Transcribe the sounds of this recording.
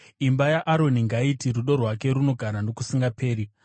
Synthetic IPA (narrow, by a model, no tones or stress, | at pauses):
imbajaʔaɾo̞niŋɡaitiɾuɗo̞rwak̬e̞ɾuno̞ɡʱaɾano̞kusiŋɡapʰeːɾi